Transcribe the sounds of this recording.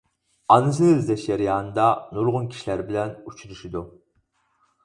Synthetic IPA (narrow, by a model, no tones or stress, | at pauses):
ɑnɨs̬ɨzd̪ɛʃjɛɾijɑːnɨd̪ɑnuɾʁʊnkʲʰi̥ʃilæɾbɪlɛnut͡ʃʰuɾuʃid̪u